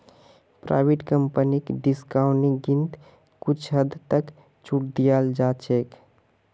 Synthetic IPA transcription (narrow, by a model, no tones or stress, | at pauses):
pɾa̰biʈkəmpənikɖiskauniɡint̪ | kut͡ʃʰɦəd̪t̪ək | t͡ʃʰuʈ̚d̪ijald͡ʒat͡ʃʰek